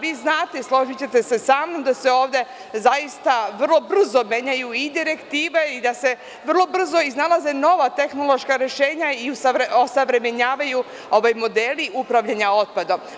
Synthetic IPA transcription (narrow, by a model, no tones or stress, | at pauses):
ʋiːznaːt̪eslˠo̞ʒit͡ɕet̪e̞se̞saːmno̞md̪ase̞o̞ːʋd̪e̞ | zaist̪aʋr̩lˠo̞br̩zo̞mje̞ːɲajuid̪iɾe̞kt̪iːʋe̞id̪ase̞ | ʋr̩lˠo̞br̩zo̞iznalaze̞no̞ʋat̪e̞xno̞lˠo̞ʃkaɾe̞ʃe̞ːɲaiusaʋɾeosaʋɾe̞meɲaːʋaju | o̞ʋajmo̞d̪eːliʔupɾaʋʎaɲao̞t̪̚pad̪om